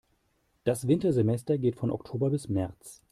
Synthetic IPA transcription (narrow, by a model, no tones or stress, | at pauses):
d̥asv̥ɪntɐzemɛstɐɡeːtfɔnʔɔ̰ktʰoːbɐbɪsmɛɐt͡s